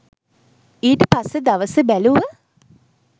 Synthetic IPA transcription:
iːʈəpasːed̪aʋəsəbæluʋə

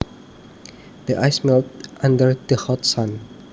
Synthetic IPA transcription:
d̥əʔajsmɛltʔãndəɹdəhɔtsãn

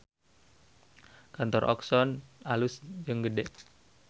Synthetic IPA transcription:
kant̪ɔrʔɔ̰ksɔnalusd͡ʒɨŋɡədɛʔ

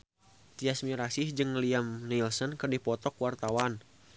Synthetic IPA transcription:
t̪iasmiɾasɪhd͡ʒɨŋːəliamnilsɔnkɨrdipɔt̪ɔkwart̪awan

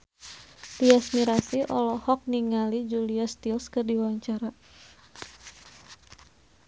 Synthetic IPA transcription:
t̪iasmiɾasiʔɔlɔhɔk̚niŋalid͡ʒuliast̪ilskɨrdiwaɲt͡ʃaɾa

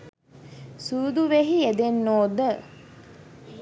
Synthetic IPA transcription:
suːd̪uʋeɦied̪enːoːd̪ə

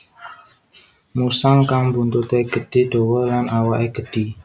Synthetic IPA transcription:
musaŋkaŋbunt̪ut̪eɡ̥ə̤d̥i̤ɖ̪̥owɔlanawaʔeɡ̥əɖ̥i

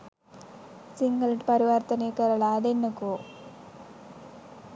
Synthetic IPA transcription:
siŋɡɐlʈpɐɾiʋɐrt̪ɐnekɐɾɐɭaːd̪enːɐkoː

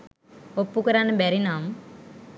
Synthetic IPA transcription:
opːukəɾanebɛɾinaːm

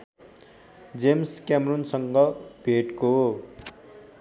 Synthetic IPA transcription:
d͡zemskjamrunsʌŋɡʌb̥ʱeʈko

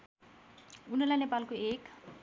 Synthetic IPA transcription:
unelanepalkuek

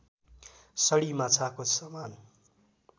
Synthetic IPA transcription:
sʌɽimat͡sʰakosaman

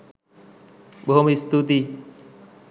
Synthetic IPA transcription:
boomist̪ut̪i

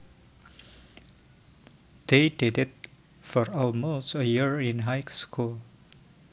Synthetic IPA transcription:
d̪̥ededɛt̚ | fɔɹɔlmostəjiɹĩnɦaɪkskʰul

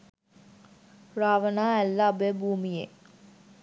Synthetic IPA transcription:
raːʋənaːælːaːbebuːmije

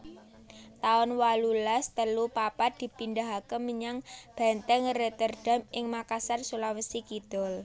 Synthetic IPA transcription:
t̪aʊnwalulast̪əlupapad̪̥i̤pindaɦakəməɲaŋb̥ɛ̤nt̪ɛŋret̪ərɖ̥a̤mɪŋmakasarsulawəsikid̪̥ɔ̤l

